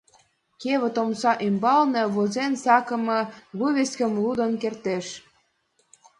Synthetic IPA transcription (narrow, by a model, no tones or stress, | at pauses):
keβə̆t̪omsɑʔimbɑlnĕβozensɑkə̆mɤ̆βuβʲeskə̆mlud̪ə̆nkert̪eʃ